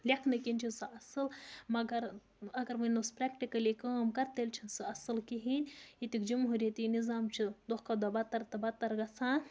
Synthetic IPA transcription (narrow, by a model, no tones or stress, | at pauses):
lʲɐkʰnɨkinʲt͡ʃʰisɨɐsɨlmɐɡɐɾ | ɐɡɐɾmɐnospɾakʈikɐlikəmkɐɾt̪elʲt͡ʃʰinsɨɐsɨlkiɦinʲit̪ikd͡ʒumɦuɾʲjɐt̪inizaːmt͡ʃʰid̪ohkɐd̪ɐbɐt̪ɐɾt̪ɐbɐt̪ɐɾɡɐt͡sʰãː